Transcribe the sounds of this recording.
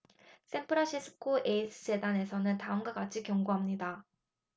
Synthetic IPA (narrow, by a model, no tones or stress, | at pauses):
s͈ʰe̞mpʰɯɾaɕʰisʰɯ̥kʰoʔeisʰɯsʰe̞dane̞sʰʌnɯntaɯmɡwak͈at͡ɕʰikjʌŋɡoɦamɲida